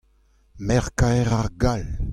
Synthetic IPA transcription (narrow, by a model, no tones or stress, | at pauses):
mɛʁkaɛʁaʁɡal